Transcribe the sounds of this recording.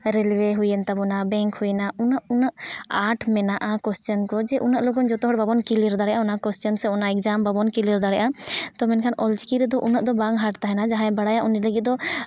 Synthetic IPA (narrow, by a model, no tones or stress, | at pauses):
ɾɛlweɦujənt̪abɔnabɛŋkhujnaunəʔunəʔaʈʰmɛnaʔakwɛstɔnkɔd͡ʒɛʔunəʔlɔɡɔnd͡ʒɔt̪ɔɦɔɽbabɔnkiliɾd̪aɽɛjʔaɔnakwɛst͡ʃɔnsɛɔnaɛk̚d͡ʒambabɔnkiliɾd̪aɽɛjʔat̪ɔmɛnkʰanɔlt͡ʃikiɾɛd̪ɔʔunəʔd̪ɔbaŋɦaʈt̪aɦɛnad͡ʒaɦãɛbaɽajaʔuniləɡit̪̚d̪ɔ